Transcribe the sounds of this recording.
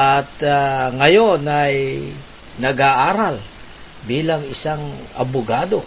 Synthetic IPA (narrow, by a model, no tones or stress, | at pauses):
ʔat̪̚aŋɐjo̞naj | nɐɡaʔaːɾal | biːlɐŋɪsaŋʔɐ̰bʊɡaːd̪o̞